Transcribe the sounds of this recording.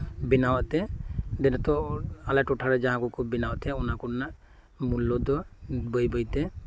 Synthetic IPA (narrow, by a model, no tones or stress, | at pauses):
binawaʔt̪ɛd̪ɛnɛt̪ɔalaʈɔʈʰaɾɛd͡ʒaɦãkukʰubinawaʔt̪ɛɔnakunaʔ | mulːɔd̪ɔbəjbəjt̪ɛ